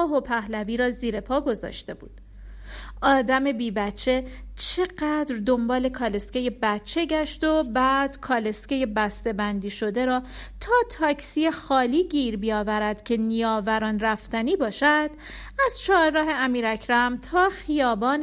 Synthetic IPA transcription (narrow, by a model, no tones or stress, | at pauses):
ɦopʰæhlæviːɾɒːziːɾe̞pʰɒːɡo̞zɒ̰ːʃt̪e̞bṵːd̪̥ | ʔɒːd̪æme̞biːbætt͡ʃʰːe̞t͡ʃʰe̞ɢæd̪ɾd̪o̞mbɒːle̞kʰɒːle̞sceje̞bætt͡ʃʰːeɟæʃt̪o̞bæd̪̥kʰɒːle̞scejebæst̪e̞bænd̪iːʃo̞d̪e̞ɾɒː | t̪ʰɒːt̪ʰɒːcʰsijexɒːliːɟiːɾbijɒːvæɾæd̪̥cʰe̞nijɒːvæɾɒːnræft̪æniːbɒːʃæd̪̥ | æz̥t͡ʃʰɒːɾɾɒːɦe̞æmiːɾæcʰɾæmt̪ʰɒːxijɒːbɒːn